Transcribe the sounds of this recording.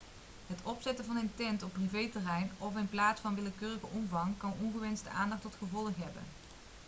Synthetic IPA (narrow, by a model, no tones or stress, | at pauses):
ɦətɔpsɛtəvɑnɪntɛntɔpːrivejtərɛjnɔfɪnplaːtsfɑnʋɪləkøːrəɣəʔɔmvɑŋkɑnɔnχəʋɛnstəʔa̰ːndɑχtɔtχəvɔlˠəχɦɛbə̰n